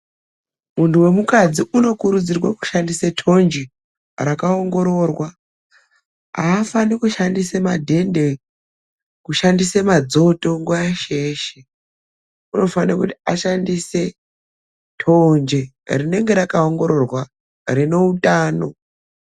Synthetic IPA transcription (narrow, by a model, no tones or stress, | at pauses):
muntuwe̞mukad͡ziʔuno̞kuɾud͡zirwaku̥ʃandisetʰo̞nd͡ʒe | rakaoŋɡo̞ɾo̞ːrwa | a̰ːfanikuʃandisemadʱe̞nde̞ | kuʃandisemad͡zo̞to̞ŋɡwajaʃeːʃe | uno̞fanakuti̥aʃandise̞ | tʰond͡ʒe | rine̞ŋɡe̞ɾakaoŋɡo̞ɾo̞rwa | rino̞utaːno̞